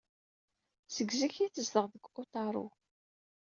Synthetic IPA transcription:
səɡziçiθəzðəʁðəɡot̪ˤɑɾˤʊ̰

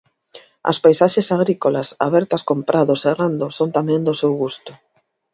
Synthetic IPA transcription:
ɐ̰spajsaʃesaɣ̞ɾikolasa̰βɛɾt̪ɐskompɾʔaðoseɣand̪osont̪amɛ̃nd̪osewɣust̪ʊ̥

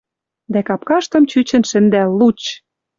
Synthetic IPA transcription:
d̪ækɑp̚kɑʃt̪ɤ̆mt͡ɕyt͡ɕə̆nʃɘ̆nd̪ælːut͡ɕ

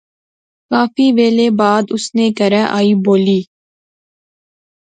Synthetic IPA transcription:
kaːfiːʋeːleːbaːd̪ʊsneːkəɾɛʔaːiːboːliː

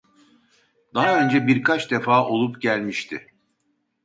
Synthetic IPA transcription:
d̪aɦaø̞nd͡ʒɛbiɾkʰat͡ʃd̪e̞faːʔo̞lˠupɟælʲmiʃt̪ʰɪ̰

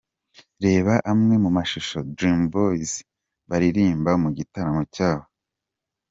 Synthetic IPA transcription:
ɾe̞ːβaʔamŋe̞mumaʃuʃo̞dɾimboiz | βaɾiɾiːmbamuɟitaɾamocaːβo

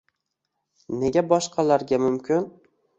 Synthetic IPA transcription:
ne̞ɡʲabɒʃqʰɑlaɾɡʲamʊmkʲʰɪn

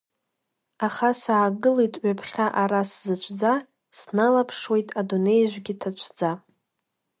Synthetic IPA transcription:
aχasaːɡɨlejtʼɥapʰχʲaʔaɾaszɨt͡ɕʷʰd͡za | snalapʰʂwe̞jtʼadune̞jʒʷɡʲɪtʰat͡ʃʷʰd͡za

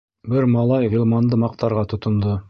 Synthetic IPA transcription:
bɘɾmɑlˠɑjʁilˠmɑnd̪ɤmɑq̚t̪ɑɾʁɑt̪ʰŏt̪ŏnd̪ɤ

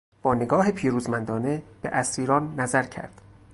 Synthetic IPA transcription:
b̥ɒːneɡɒːɦepʰiːɾuːzmænd̪ɒːne̞b̥ḛʔæsiːɾɒːnːæzæɾcʰæ̰ɾd̪̥

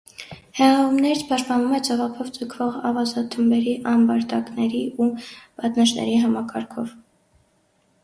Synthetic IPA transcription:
hɛʁɑumnɛɾt͡sʰpʰɑʃt̪̚pɑnumɛt͡sɔvɑpʰɔvt͡səkʰvɔʁɑvɑzɑt̪ʰːəmbɛɾiʔɑnbɑɾt̪ɑknɛɾiubɑt̪nəʃnɛ̰ɾiɦɑmɑkʰɑɾkʰɔv

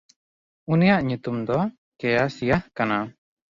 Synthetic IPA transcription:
unijaʔɲut̪umd̪ɔ | kɛjasijahkana

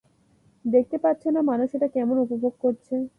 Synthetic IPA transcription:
d̪ek̚t̪epatːɕʰenamanuʃeʈakɛmonupobʱoɡ̚koɾt͡ɕʰe

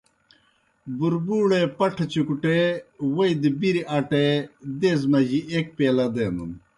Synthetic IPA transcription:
buɾbuːɽepɐʈʰɐt͡ɕukuʈewɐid̪ibiɾiʔaʈed̪eːzmɐʑiʔek̚peːlɐd̪enṵn

